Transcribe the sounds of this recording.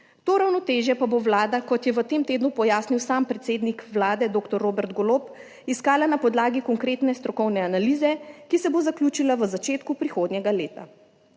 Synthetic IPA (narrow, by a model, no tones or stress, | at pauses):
t̪oɾawnɔt̪eːʒjɛpaboʋlaːd̪akɔt̪jɛʋət̪eːmt̪eːd̪nupɔjaːsniwsaːmpɾɛt̪seːd̪nikʋlaːd̪ɛd̪oːkt̪ɔɾːoːbɛɾt̪ɡɔloːp | iskaːlanapɔd̪laːɡikɔŋkɾeːt̪nɛst̪ɾɔkɔwnɛanaliːzɛkisɛbozaklʲuːt͡ʃilaʋəzat͡ʃeːt̪kupɾixoːd̪nʲjɛɡaleːt̪a